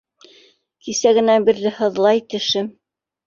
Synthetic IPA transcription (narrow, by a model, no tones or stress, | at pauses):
kisæɣɡɘ̆næbiɾðɘhɤ̆ðlˠɑjt̪ɘ̆ʃɘm